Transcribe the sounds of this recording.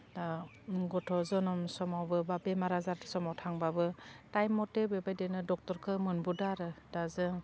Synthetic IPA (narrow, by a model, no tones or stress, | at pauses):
da | ɡɔtʰɔzɔnɔmsɔmawbɯbabemaɾazaɾsɔmawtʰaŋbabɯtajmːɔtebebajdɯnɯdɔk̚tɔɾkʰɯmɯnbudaɾɯdazɯŋ